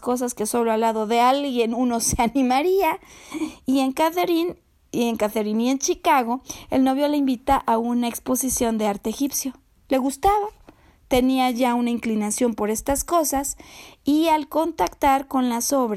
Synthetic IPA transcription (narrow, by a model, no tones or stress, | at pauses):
sko̞s̬aske̞so̞loalaðo̞ðe̞alɣje̞nuno̞seanĩmaɾia | ie̞ŋkaθeɾin | ieŋkaθeɾinie̞nt͡ʃikaɣo̞elno̞βjo̞leimbit̪aʔaunaekspo̞sisjo̞nd̪e̞aɾt̪eeːxipsjo̞ | le̞ɣust̪aβa | t̪e̞niaʝaunaiŋklinasjo̞mpo̞ɾe̞st̪asko̞sasialko̞nt̪akt̪aɾko̞nlaso̞βɾ